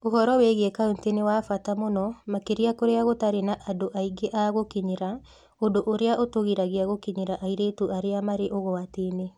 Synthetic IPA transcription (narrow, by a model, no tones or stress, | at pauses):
ohɔɾɔweɣiekaontenewaːfatamonɔmakeɾiakoɾeaɣotaɾenaʔadoʔaiŋɡeʔaɣokiɲeɾa | odoʔoɾeaʔotoɣiɾaɣiaɣokiɲeɾaʔaiɾetuʔaɾeamaɾeʔoɣoatene